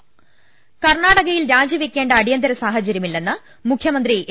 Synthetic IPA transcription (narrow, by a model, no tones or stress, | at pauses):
kɐrɳaːɽɐɣɐjilɾaːd͡ʑjɐʋikʲːe̞ːɳɖɐːɽijɐnd̪ɐɾɐsaːɦɐt͡ɕɐɾjɐmilːe̞nːɨ | mukʰjɐmɐnd̪ri